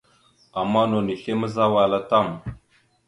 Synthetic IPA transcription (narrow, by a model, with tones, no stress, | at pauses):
a˨mːa˦no˨ni˨ɬe˦mə˦za˦wa˨la˦ta˦˨m